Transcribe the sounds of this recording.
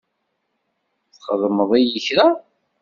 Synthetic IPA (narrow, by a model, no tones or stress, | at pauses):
θχəðˤməðˤijəçɾa